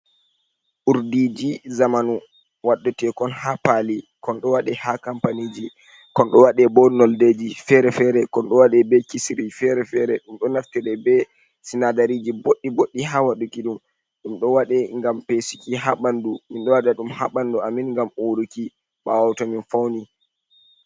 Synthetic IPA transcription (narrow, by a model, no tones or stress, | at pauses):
ʔuɾdid͡ʒizamanu | waɗːɛtɛkɔnhapalikɔnɗɔwaɗɛhakampanid͡ʒi | kɔnɗɔwaɗɛbɔnɔlded͡ʒifɛɾɛfɛɾɛkɔnɗɔwaɗɛbɛkisɾifɛɾɛfɛɾɛɗumɗɔnaftɛɾɛbɛ | sinadaɾid͡ʒiboɗːiboɗːiɦawaɗukiɗum | ɗumɗɔwaɗɛŋɡampesi̥kiɦaɓanduminɗɔwaɗaɗumhaɓanduaminŋɡamoɾuki | ɓawawtɔminfawni